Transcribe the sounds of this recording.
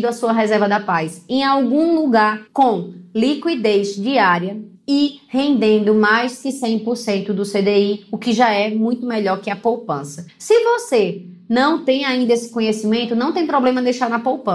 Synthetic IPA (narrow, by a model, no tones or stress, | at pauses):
d̪ʊɐsuɐɦɛzɛɾvɐd̪ɐpajsẽj̃awɡũluɡaɾkõlikwid̪ejzd͡ʒiaɾjɐ | ɪhẽnd̪ẽnd̪ʊmajzkɪsẽj̃poɾsẽnt̪ʊd̪ʊsed̪eiʊkɪʒaɛmũj̃t̪ʊmɛʎɔɾkɪɐpowpɐ̃sɐsɪvose | nɐ̃w̃t̪ẽj̃aĩnd̪ɐesɪ̥kõɲesimẽnt̪ʊnɐ̃w̃t̪ẽj̃pɾɔblẽmɐd̪ejʃaɾnɐpowpɐ̃